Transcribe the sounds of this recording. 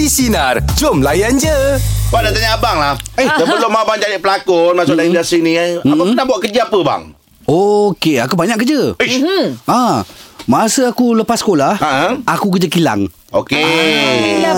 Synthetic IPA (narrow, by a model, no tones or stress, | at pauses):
isinard͡ʒomlajand͡ʒəwadat̪aɲaabaŋlahehsəəlomabaŋd͡ʒadiʔpəlakonmasʊʔdaindasinĩam̩panabuaʔkəd͡ʒiapəba̰ŋ | okeakubaɲaʔkːəd͡ʒə | ãmasəakuləpaskolahaʔakukəd͡ʒəkila̰ŋ | oke